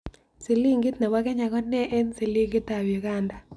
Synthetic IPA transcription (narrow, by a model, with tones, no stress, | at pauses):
si˨li˦ŋɡɪ˦t̪nɛ˨wa˦kɛ˦ɲa˨kɔ˦nɛ˦ʔe˦nsi˨li˦ŋɡɪ˦t̪a˨βi˨ɣanda˨